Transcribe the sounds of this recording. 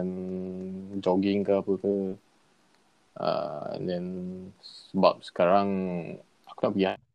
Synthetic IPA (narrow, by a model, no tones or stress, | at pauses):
n | d͡ʒɔɡɪŋkaapəkə | ə̰ɛ̰̃ndɛnsəba̰p̚sə̥kaɾaŋ | akunaʔpəɡiɦa